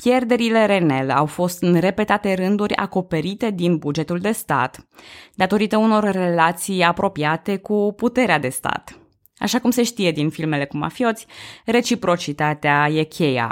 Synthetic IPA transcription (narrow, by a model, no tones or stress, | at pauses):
pje̞rd̪e̞ɾile̞ɾe̞ne̞lawfo̞st̪ɨnre̞pe̞t̪at̪e̞ɾɨnd̪uɾʲa̰ko̞pe̞ɾit̪e̞d̪inbud͡ʒe̞t̪uld̪e̞st̪a̰t̪d̪at̪o̞ɾit̪əuno̞rre̞lat̪sijapɾo̞piat̪e̞kuput̪e̞ɾead̪e̞st̪a̰t̪ | a̰ʃakumse̞ʃt̪ije̞d̪infilme̞le̞kuma̰fio̞t̪sʲre̞t͡ʃipɾo̞t͡ʃit̪at̪eaje̞kʲʰe̞ja̰